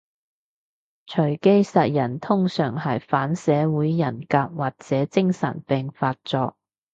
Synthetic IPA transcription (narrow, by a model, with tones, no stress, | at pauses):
t͡ʃʰɵ˨˩ɥke˥jsɐ˨t̚jɐ˨˩nt̪ʰʊ˥ŋsœː˨˩ŋhɐ˨jfaː˨˥nsɛː˨˥wuː˨˥jːɐ˨˩nkaː˧p̚waː˨˩k̚t͡sɛː˨˥t͡sɪ˥ŋsɐ̰˨˩npɛː˨ŋfaː˧t̚t͡sɔː˧k̚